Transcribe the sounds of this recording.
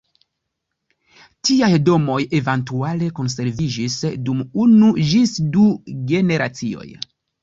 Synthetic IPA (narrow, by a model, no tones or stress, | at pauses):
tiajdo̞mo̞je̞vantuale̞ko̞ns̬e̞ɾvid͡ʒisdumunud͡ʒisduɡe̞ne̞ɾʔat͡sio̞̰j